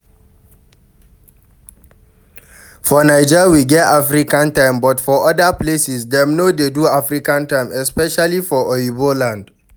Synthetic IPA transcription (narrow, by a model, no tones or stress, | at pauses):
fɔnaɪd͡ʒɛwiɡɛtafɹikãntãɪmbɔtfɔʔɔdaplesisdɛ̃mnodeduafɹikãntãɪ̃mɛspɛʃalifɔʔɔibolãnd